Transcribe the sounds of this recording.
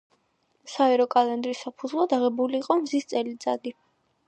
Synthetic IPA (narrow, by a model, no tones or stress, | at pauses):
saɛɾɔkʼalɛnd̪ɾisapʰud̪zvlˠad̪aʁɛbuliːqʼɔmzist̪sʼɛlid̪sʼa̰d̪i